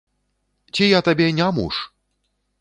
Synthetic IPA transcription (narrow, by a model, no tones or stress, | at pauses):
t͡sʲijat̪abʲɛnʲamṵʂ